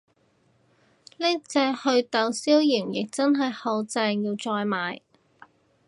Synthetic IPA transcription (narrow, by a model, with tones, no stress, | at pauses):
niː˥t͡sɛː˧hɵ˧ɥt̪ɐ˨˧wsiː˥wjiː˨˩mjɪ˨k̚t͡sɐ˥nɦɐ˨jhɐ˨˧wt͡sɛː˧ŋjiː˧wt͡sɔː˧jmaː˨˧j